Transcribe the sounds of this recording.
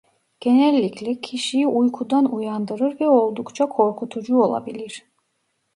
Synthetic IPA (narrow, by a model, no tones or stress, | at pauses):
ɟ̥enɛlʲːicʰlʲɛcʰiʃijiʔujkʰud̪anujand̪ɯɾɯɾvɛo̞lˠd̪ukt͡ʃʰakʰo̞ɾkʰut̪ʰud͡ʒuo̞lˠa̰bilʲiɾ̥